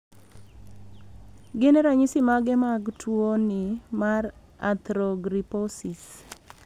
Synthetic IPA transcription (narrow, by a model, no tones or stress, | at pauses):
ɡɛnɛɾaɲisɪmaɡɛmaɡtʰwonɪmar | a̰t̪ɾɔɡɾipɔsis